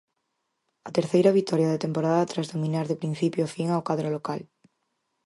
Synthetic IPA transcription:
at̪eɾθejɾaβ̞it̪oɾjaðet̪empoɾaðat̪ɾazðomĩnaɾðepɾin̟θipjofiŋawkaðɾolokal

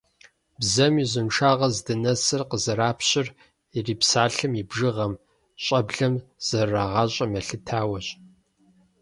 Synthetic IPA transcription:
bzɐmiːzɪnʈ͡ʂʰaːʁɐzdɨnɐsɨrqəzɐɾaːpʰɕɪr | iriːpsaːɬɨmibʒɨʁɐm | ɕʼɐbɮɐmz̥ɐraʁɑɕʼɐmɐɬɨtʰaːwɐɕʼ

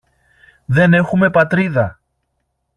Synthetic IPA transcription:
ðe̞ne̞xume̞pɐt̪ɾiðɐ

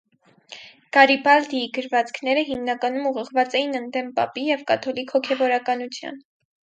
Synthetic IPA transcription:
ɡ̥ɑɾipɑld̪iɡəɾvɑt͡skʰnɛɾəɦimnɑkɑnumuʁəʁvɑt͡sɛjinənd̪ɛmpɑ̰pijɛvkɑt̪ʰɔlikʰhɔkʰɛvɔɾɑkɑnut͡sʰjɑ̰n

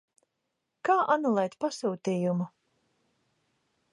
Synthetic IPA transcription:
kaːʔanulˠɛjt̪pasuːt̪iːjumu

